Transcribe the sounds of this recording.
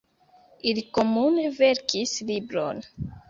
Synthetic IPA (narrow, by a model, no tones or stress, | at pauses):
iliko̞muneve̞ɾkʰislibɾo̞̰n